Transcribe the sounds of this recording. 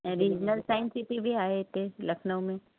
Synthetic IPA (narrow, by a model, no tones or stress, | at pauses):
ɾiːd͡ʒnəlsaːɪ̃nsipibʱiaːɦet̪elɐkʰnõmẽ